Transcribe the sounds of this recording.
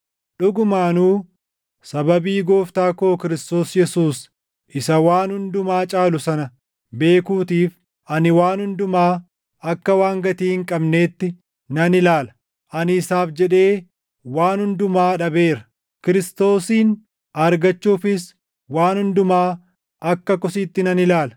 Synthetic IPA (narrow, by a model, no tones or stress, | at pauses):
ᶑʊɡʊmaːnuː | sɐbɐbiːɡoːft̪aːkoːkɪɾɪst̪o̞ːsjɛsuːs | ʔɪsɐwaːnhʊnd̪ʊmaːt͡ʃʼaːlʊsɐnɐ | be̞ːkuːt̪iːf | ʔɐnɪwaːnhʊnd̪ʊmaː | ɐkːɐwaːŋɡɐt̪iːhɪŋkʼɐbne̞ːt̪ːɪ | nɐnɪlaːlɐ̥ | ʔɐnɪːsaːfd͡ʒɛᶑe̞ː | waːnhʊnd̪ʊmaːᶑɐbe̞ːɾɐ | kɪɾɪst̪o̞ːsiːn | ɐɾɡɐt͡ʃːuːfɪs | waːnhʊnd̪ʊmaː | ɐkːɐkɔsiːt̪ːɪnɐnɪlaːlɐ